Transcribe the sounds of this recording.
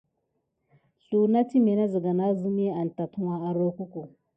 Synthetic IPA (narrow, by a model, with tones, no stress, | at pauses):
ɬu˨na˦ti˦me˨na˦zi˨ɡa˨na˦zu˦m˦i˦a˨n˨ta˨tʰu˦wa˦a˨ɾo˦ku˦ku˨